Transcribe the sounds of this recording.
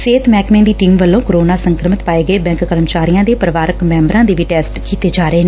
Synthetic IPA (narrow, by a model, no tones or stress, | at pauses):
seːt̪mɛːkmẽːd̪iːʈiːmʋəlːõːkoɾoːnaːsəŋkɾəmɪt̪paːeːɡəeːbɛ̃ːŋkkəɾəmt͡ʃaːɾijãːd̪eːpəɾəʋaːɾəkmɛ̃ːmbɾãːd̪eːʋiːʈɛːsʈkiːt̪eːd͡ʒaːɾəeːn